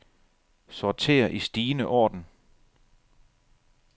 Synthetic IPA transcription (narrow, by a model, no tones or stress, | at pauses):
sɒt͡sʰe̝̰ːɐʔisd̥iːnəʔɒ̰ːd̥n̩